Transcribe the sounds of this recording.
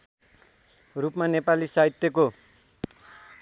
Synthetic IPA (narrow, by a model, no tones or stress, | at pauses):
rupmanepalisaɦit̪ːjʌko